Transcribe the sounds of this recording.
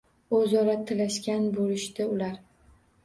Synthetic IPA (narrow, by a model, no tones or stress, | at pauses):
ɵzɒɾat̪ʰɪlaʃkʲanbolɪʃt̪ɪʊlaɾ